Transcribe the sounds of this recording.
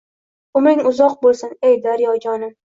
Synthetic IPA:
ʊmɾɪŋʊzɒq̚bolˠsɪnejd̪aɾjɒɡʲɒnɪ

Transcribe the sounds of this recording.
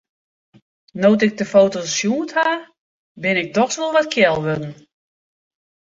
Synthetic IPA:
noːtɪk̚dəfowtosjuːtha | bɪnɪk̚dɔxsʋolˠʋɔtkʰjɛlˠʋødn̩

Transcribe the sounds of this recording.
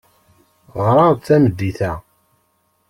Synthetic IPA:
ʁɾˤɑʁθæməd̪ːiθæ

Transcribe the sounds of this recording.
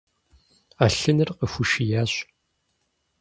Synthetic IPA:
aːɬɨnɨrqəxʷuʃijaːɕ

